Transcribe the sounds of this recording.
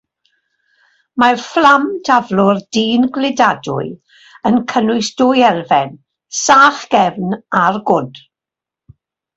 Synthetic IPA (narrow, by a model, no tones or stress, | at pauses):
marflamdʰavlʊrd̥iːnɡlɪdadʊ̰ɨ | ənkʰənʊɨsd̥ʊjɛlˠvɛn | saːχɡ̥ɛvnarɡʊd